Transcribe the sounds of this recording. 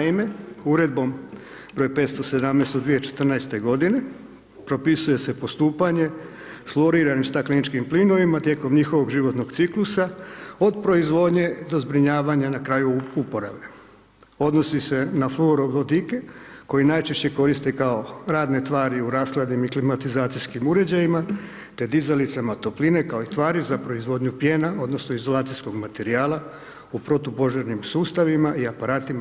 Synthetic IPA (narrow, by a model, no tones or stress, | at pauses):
naime̞uɾe̞d̪̚bo̞m | bɾojpet̪st̪o̞se̞d̪amnest̪od̪ʋijet͡ʃe̥t̪r̩naest̪e̞ɡo̞d̪ine̞ | pɾo̞pisuje̞se̞po̞st̪uːpaɲe̞ | flˠo̞ɾiːɾanimst̪aklinit͡ʃkimplino̞ʋimat̪je̞ːko̞mɲixo̞ʋoɡʒiʋo̞t̪no̞ɡ̥t̪siklusao̞d̪pɾo̞izʋo̞ːd̪ɲe̞d̪o̞zbɾiɲaːʋaɲanakɾajuupo̞ɾaʋe̞ | o̞d̪no̞sise̞nafloɾolod̪ike̞ko̞inajt͡ʃe̞ʃt͡ɕe̞ko̞ɾist̪e̞kao̞ɾaːd̪ne̞t̪ʋaːɾiuɾaːskled̪nimiklimat̪izaːt̪siskimuɾe̞d͡ʑajima | t̪e̞d̪izalit̪samat̪o̞pline̞kao̞it̪ʋaːɾiuzapɾo̞izʋo̞ːd̪ɲupjeːnao̞d̪no̞snoizo̞lˠaːt̪sijsko̞ɡmat̪e̞ɾiaːlˠa | upɾo̞t̪opo̞ʒeɾnimsuːst̪aʋimaʔiapaɾaːt̪im